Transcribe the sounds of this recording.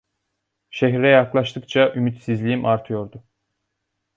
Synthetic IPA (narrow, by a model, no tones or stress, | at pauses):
ʃeɦɾɛjaklˠaʃt̪ʰɯkt͡ʃʰaʔymyt̪sizlʲijimʔaɾt̪ʰɯjo̞ɾd̪ʊ